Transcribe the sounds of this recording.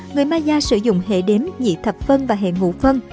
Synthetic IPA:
ŋɨ˨˩əjmaː˧zaː˧sɨ̰˧˩zʊ̰˧˨ŋ͡mɦḛ˧˨ɗe˨˦mɲḭ˧˨t̪ʰə˨˩p̚fə˧nvaː˨˩ɦḛ˧˨ŋṵ˧˥fə˧n

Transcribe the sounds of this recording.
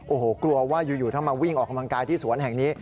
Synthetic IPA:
ʔoː˨˩hoː˨˩klu˧ɐwaː˥˩juː˨˩juː˨˩t̪ʰa˥˩wmaː˧wi˥˩ŋʔɔː˨˩ka˧mla˧ŋkaː˧jt̪ʰiː˥˩su˨˩˦ənɦɛ˨˩ŋniː˦˥

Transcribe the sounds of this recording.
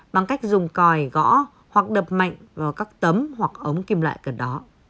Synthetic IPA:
ɓa˨˩ŋka˦˥jk̟̚zʊ˨˩ŋ͡mkɔ˨˩jɣɔ̰˧˥ | hwa˨˩k̚ɗəː˨˩p̚ma̰˧˨jŋ̟vaː˨˩kaː˦˥k̚t̪ə˨˦mhwa˨˩k̚ʔə˨˦wŋ͡mki˧mla̰ː˧˨jkə˨˧˩ɗɔ˨˦

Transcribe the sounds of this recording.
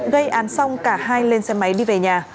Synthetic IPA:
ɣə˧jʔaː˨˦nsa˧wŋ͡mkaː˧˩haː˧jle˧nsɛ˧˦ma˨˦jɗi˧ve˨˩ɲaː˨˩

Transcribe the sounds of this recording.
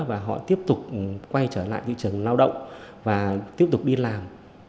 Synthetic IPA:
vaː˨˩ɦɔ̰˧˨t̪i˦˥əp̚t̪ʊ˨˩k͡p̚kwa˧jt͡ɕəː˧˩la̰ː˧˨jt̪ʰḭ˧˨t͡ɕɨ˨˩əŋlaː˧wɗə̰˧˨wŋ͡m | vaː˨˩t̪i˦˥əp̚t̪ʊ˨˩k͡p̚ɗi˧laː˨˩m

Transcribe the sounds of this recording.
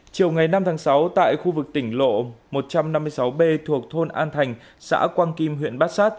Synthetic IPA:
t͡ɕi˨˩əwŋa˨˩jna˧mt̪ʰaː˨˦ŋsa˨˦wt̪a̰ː˧˨jxu˧vɨ˨˩k̚t̪ï˧˩ŋ̟lo̰˧˨mo˨˩t̚t͡ɕa˧mna˧mːɨ˧əjsa˨˦wɓe˧t̪ʰu˨˩ək̚t̪ʰo˧nʔa̰ː˧nt̪ʰa˨˩jŋ̟ | sa̰ː˧˥kwaː˧nki˧mɦwḭ˧˨nɓaː˦˥t̚saː˦˥t̚

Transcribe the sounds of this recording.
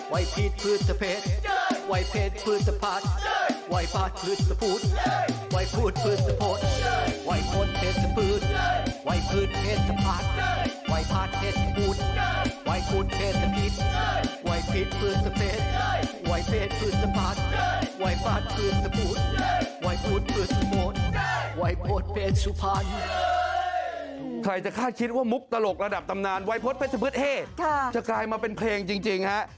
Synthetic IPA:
wa˧˥jpʰi˧˥˩t̪̚pʰɯː˧˩t̪̚sa˧pʰe˧˥˩t̪̚wa˧˥jpʰeː˧˩t̪̚pʰɯː˦˧˥t̪̚sa˧pʰaː˧˥˩t̪̚wa˧jpʰaː˧˩t̪̚pʰɯ˧˥˩t̪̚sa˧pʰu˧˥t̪̚wa˧˥jpʰuː˧˩t̪̚pʰɯː˧˥˩t̪̚sa˧pʰo˧˥t̪̚wa˧˥jpʰo˧˥t̪̚pʰeː˧˩t̪̚sa˧pʰɯː˧˥t̪̚wa˧˥jpʰɯː˧˩t̪̚pʰeː˧˥˩t̪̚sa˧pʰaː˧˥˩t̪̚wa˧˥jpʰaː˧˥t̪̚pʰeː˧˩t̪̚sa˧pʰu˧˥˩t̪̚wa˧˥jpʰu˧˩t̪̚pʰeː˧˩t̪̚sa˧pʰi˧˥t̪̚wa˧˥jpʰi˦˥t̪̚pʰɯː˧˩t̪̚sa˧pʰeː˧˩t̪̚wa˨˦˥jpʰeː˧˩t̪̚pʰɯː˨˩t̪̚sa˧pʰa˦˧˥t̪̚wa˧˥jpaː˦˧˩t̪̚pʰɯː˧˩t̪̚sa˧bu˧˥t̪̚wa˧˥jpʰu˧˥n̚pʰɯː˨˩t̪̚su˧pʰo˧˦˥t̪̚wa˧˦˥jpʰo˦˥t̪̚pʰeː˧˥t̪̚su˧˦pʰa˧n | kʰɾa˧jt͡ɕa˨˩kʰaː˥˩t̪̚kʰi˦˥t̪̚waː˥˩mu˦˥k̚t̪a˧lo˨˩k̚ɾa˧da˨˩p̚t̪a˧mnaː˧nwa˦˥jpʰo˦˥t̪̚pʰe˦˥t̪̚sa˧pʰɯ˦˥t̪̚heː˥˩t̪̚kʰa˥˩t͡ɕa˨˩klaː˧jmaː˧pe˧npʰleː˧ŋt͡ɕi˧ŋt͡ɕi˧ŋha˦˥ʔ

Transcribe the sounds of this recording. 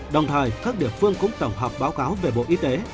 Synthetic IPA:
ɗə˨˩wŋ͡mt̪ʰəː˨˩jkaː˦˥k̚ɗḭ˧˨əfɨ˧əŋkʊ̰˧˥ŋ͡mt̪ə˧˩wŋ͡mɦɔː˨˩k͡p̚ɓaː˨˦wkaː˨˦wve˨˩ɓo̰˧˨ʔi˧t̪e˨˦

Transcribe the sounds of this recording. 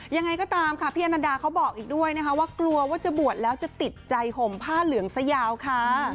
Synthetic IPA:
ja˧ŋːa˧jkɔː˥˩t̪aː˧mkʰa˦˥˩pʰiː˥˩ʔa˧naː˧daː˧kʰa˦˥wbɔː˨˩k̚ʔiː˨˩k̚du˥˩əjna˦˥kʰa˦˥waː˥˩klu˧ɐwaː˥˩t͡ɕa˨˩bu˨˩ət̪̚lɛː˦˥wt͡ɕa˨˩t̪i˨˩t̪̚t͡ɕa˧jho˨˩˦mpʰaː˥˩lɯ˩˦əŋsa˧jaː˧wkʰa˦˥˩

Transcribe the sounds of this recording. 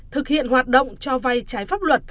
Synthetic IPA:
t̪ʰɨ˨˩k̚hḭ˧˨ənɦwaː˨˩t̚ɗə̰˧˨wŋ͡mt͡ɕɔ˧va˧jt͡ɕaː˨˦jfaː˦˥p̚lwə˨˩t̚

